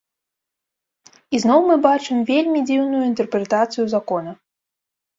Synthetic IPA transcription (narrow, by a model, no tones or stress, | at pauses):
iznɔwmɨbat͡ʂɨmvʲelʲmʲid͡zʲiwnujuint̪ɛrpɾɛt̪at̪sɨjuzakɔnɐ